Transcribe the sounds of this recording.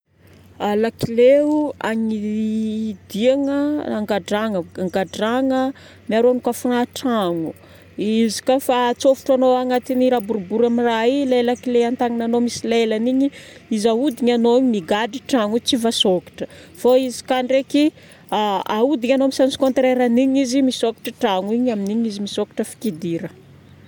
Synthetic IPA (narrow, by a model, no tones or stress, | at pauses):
alakileua̰ɲi | d̪iaŋəaŋɡaɖ͡ʐaŋəaŋɡaɖ͡ʐaŋə | miaɾoanukafunaʈ͡ʂaŋu | izi̥kafat͡sofu̥ʈ͡ʂanoaŋat̪iniɾabuɾubuɾamirailalakileant̪aŋinanomisilelaniɲiizaud̪iɲanoiɲimiɡaɖ͡ʐiʈ͡ʂaŋut͡sivasoki̥ʈ͡ʂəfoizi̥kaɳreki | aaud̪iɲanomisansi̥kont̪ɾeɾaniɲizimisokḁʈ͡ʂəʈ͡ʂaŋuiɲaminiɲizimisokḁʈ͡ʂəfi̥kid̪iɾə